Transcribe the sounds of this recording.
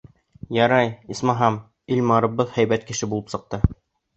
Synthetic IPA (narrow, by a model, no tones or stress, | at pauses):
jɑɾɑjismɑɦɑm | ilmɑɾɤ̆bbːɤðhæjbæt̪̚kɘ̆ʃɘbulˠɤpsɤ̆q̚t̪ɤ